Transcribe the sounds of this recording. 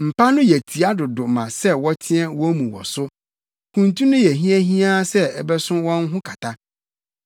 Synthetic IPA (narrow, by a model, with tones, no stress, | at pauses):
m̩˨pʰa˦nʊ̃˦jɛ˨tʰi˨a˦dʊ˨dʊ˨mã̰˨sɛ˦wɔ˦tʰɪ̃˦ɛ˦wɔ˦mũ˨wɔ̰˨sʊ˦ | kʰũ˨ntũ˦nʊ̃˦jɛ˨ɦĩ˦æ˦ɦĩ˦a˦sɛ˦ɛ˨bɛ˦sʊ̃˦wɔ̃˦n˦ɦʊ̃˦kʰa˨tʰa˦